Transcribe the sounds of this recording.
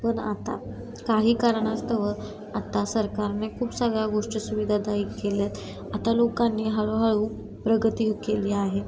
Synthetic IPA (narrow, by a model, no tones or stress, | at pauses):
pəɳa̰t̪a̰ | kaɦiːkaɾəɳ̃ast̪əʋə | at̪asəɾkaɾnekʰuːpsəɡɭjaɡoʂʈəsuʋid̪ʱad̪aiːkːeljat̪ | at̪alokanːiːɦaɭuɦaɭuː | pɾəɡət̪ikeliaɦe